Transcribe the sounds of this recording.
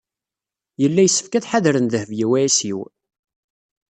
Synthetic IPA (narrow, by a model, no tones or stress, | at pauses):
jəlːæjəsːə̥fkæθħaðɾənðəhəvjiwææsiw